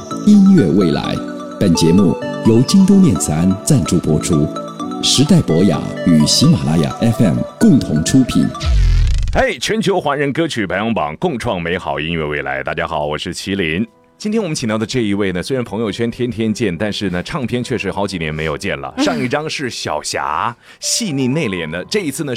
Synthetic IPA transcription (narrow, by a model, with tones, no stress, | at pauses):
i˥nɥɛ˥˧we˥˩ɪla̰˧˥ɪ | pə˨˩nt͡ɕjɛ˧˥mṵ˥˩jo˧˥ʊt͡ɕi˥ŋt̪̬o˥ʊmjɛ˥˩nt͡sʰɹ̩˧a˥nt͡sa˥˧nʈ͡ʂu˥˩pwɔ˥ʈ͡ʂʰu˥ | ʂɻ̩˧˥t̪a˥˩ɪpwɔ˧˥ja̰˨˧˥y˨˩ɕi˧˥ma˨˩la˥ja̰˨˩ʔɛ˥fɛ˥˩mkʊ˥˩ŋt̪ʰʊ˧˥ŋʈ͡ʂʰu˥pʰḭ˨˩˦n | e˥˩ɪt͡ɕʰɥɛ˧˥nt͡ɕʰjo˧˥ʊxwa˧˥nɻə˧˥nkɤ˥t͡ɕʰy˨˩pʰa˧˥ɪɑ˧˥ŋpɑ̰˨˩˦ŋkʊ˥˧ŋʈ͡ʂʰwɑ˥˩ŋme˧˥ɪxɑ˨˩ʊi˥ŋɥɛ˥˧˩we˥˩ɪla̰˧˥ɪt̪a˥˧˩t͡ɕja˥xɑ˨˩˦ʊwɔ˨˩ʂɻ̩˥˩t͡ɕʰi˧˥li˧˥n | t͡ɕi˥nt̪ʰjɛ˥nwɔ˨m˦nt͡ɕʰi˨˩ŋt̪jɑ˥˩ə˩˧ʈ͡ʂɤ˥˩i˧˥we˥˩ɪnə˩se˥ɪɻa˧˥npʰɤ˧˥ŋjo˧ʊt͡ɕʰɥɛ˥nt̪ʰjɛ˥nt̪ʰjɛ˥nt͡ɕjɛ˥˩nt̪a˥˧nʂɻ̩˥˩nə˩ʈ͡ʂʰɑ˥˩ŋpʰjɛ˥nt͡ɕʰɥɛ˥˩ʂɻ̩˧˥xɑ˧˥ʊt͡ɕi˨˩njɛ˧˥nme˧˥ɪjo˨˩ʊt͡ɕjɛ̰˥˩nlə̰˩ʂɑ˥˧ŋi˥˩ʈ͡ʂɑ˥ŋʂɻ̩˥˩ɕjɑ̰˨˩ʊɕja̰˧˥ | ɕi˥˧ni˥˧ne˥˩ɪljɛ̰˨˩nd̪ə˦ʈ͡ʂɤ˥˩i˧˥t͡sʰɹ̩˥˩nə˩